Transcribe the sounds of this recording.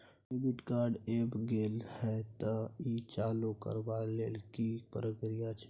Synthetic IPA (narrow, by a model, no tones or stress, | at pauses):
eɡɪʈkaːɾɖeːbɡeːlhɛt̪əit͡ʃaːlokə̰ɾbaleːlkipəɾəɡɾijat͡ʃʰ